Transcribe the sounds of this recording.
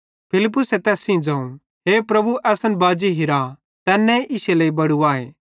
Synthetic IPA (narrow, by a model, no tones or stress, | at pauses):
pʰɪlɪp̬ːʊsɛt̪ɛːsĩd͡zãːũ | ɦeːpɾɐbuʔɛːsənbaːd͡ʒiɦɪɾa | t̪ɛːnːɛ̃ʔɪseleːibɐɽuaːeː